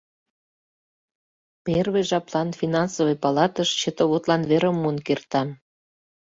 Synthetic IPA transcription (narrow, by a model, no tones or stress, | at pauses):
perβeʒɑplɑnfinɑnsoβɤjpɑlɑt̪əʃt͡ɕət̪ə̆βot̪lɑnβeɾə̆mːunkert̪ɑn